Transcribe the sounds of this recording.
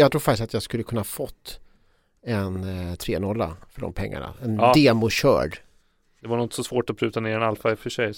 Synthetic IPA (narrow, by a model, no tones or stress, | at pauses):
jɑːɡt̪ʰɾuːɾfakt̪ɪst̪at̪jɑːɡskɵlːəkʰɵnːahɑːfɔt̪ː | ɛnt̪ʰɾeːnɔlːa̰fœɖɔ̰mpʰɛŋːa̰ɳa̰ɛnd̪eːmʊɕœ̰ːɖ | d̪̥ɛvaɳɔt̪sɔsvoːʈɔpʰɾʉ̟ːt̪aneːɾɛnalfaɪfœʂɛj